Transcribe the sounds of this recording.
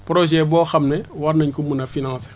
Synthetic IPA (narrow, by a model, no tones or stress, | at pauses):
pɾoʒɛboːxamnewaɾnaɲkumunafinãŋse̥